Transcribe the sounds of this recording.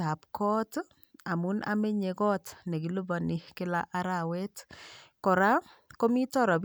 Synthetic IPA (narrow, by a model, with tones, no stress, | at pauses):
a˨pkʰɔ˦t | a˨mu˦na̰˦me˦ɲe˨kɔ˦tne˨ki˨lo˦ba˨ni˦kɪ˦la̰˦ʔa˦ɾawe˦tkɔ˨ɾa˦ | ko˦mi˦tɔ˦ɾɔ˨b